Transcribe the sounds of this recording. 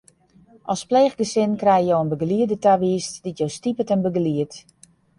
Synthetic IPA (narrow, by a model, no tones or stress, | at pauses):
ʔɔlˠspleːxɡəsɪnkrɛjjowənbəɡəliədətaʋiːstd̥itjowstipətɛnbəɡəliət